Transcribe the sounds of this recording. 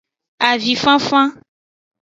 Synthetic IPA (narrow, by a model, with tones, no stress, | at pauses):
a˨vi˨fã˦fã˦